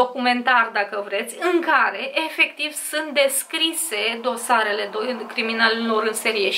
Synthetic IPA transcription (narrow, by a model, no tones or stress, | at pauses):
okume̞nt̪arʲd̪akəvɾe̞t̪sʲɨŋkaɾe̞ʔefe̞kt̪iv̥sunt̪̚d̪e̞skɾise̞d̪o̞saɾe̞le̞d̪okɾiminalelo̞ɾɨnseɾieʃ